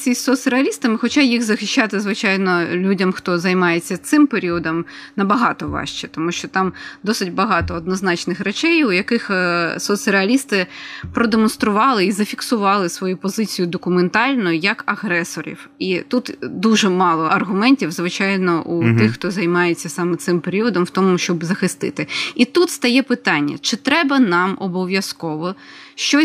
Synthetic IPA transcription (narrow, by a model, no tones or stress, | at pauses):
sʲisʲsɔsʲɾeɐlʲist̪ɐmɪxɔt͡ʃajiɣzɐxɪʃʲt͡ʃːat̪ɪzʋɪt͡ʃɑjnɔlʲudʲɐmxt̪ɔzɐjmɑjet͡sʲːɐt̪sɪmpeɾʲiɔd̪ɔmnɐbɐɦɑt̪ɔʋɑ̰ʃt͡ʃɛt̪ɔmuʃt͡ʃɔt̪ɑmd̪ɔsɪdʲbɐɦɑt̪ɔːd̪nɔznɑt͡ʃnɪxɾɛt͡ʃɛjujɐkɪxsɔt̪sʲɾeɐlʲist̪ɪpɾɔd̪emɔnst̪ɾʊʋɑlˠɪizɐfʲiksʊʋɑlˠɪsʋɔjupɔzɪt͡sʲijʊd̪ɔkʊment̪ɑlʲnʊjɐkɐɣɾɛsɔɾʲḭw | it̪ut̪d̪uʒɛmɑlˠɔʔɐrɦʊmɛnʲtʲiwzʋɪt͡ʃɑjnɔʔut̪ɪxxt̪ɔzɐjmɑjet͡sʲːɐsɑmɛt̪sɪmpeɾʲiʋɔd̪ɔmwt̪ɔmʊʃt͡ʃɔbzɐxɪst̪ɪ̰t̪ɪit̪ut̪st̪ɐjɛpɪt̪ɑnʲːɐ̰t͡ʃɪt̪ɾɛbɐnɑmɔbɔʋʲjɐskɔʋɔʃt͡ʃɔ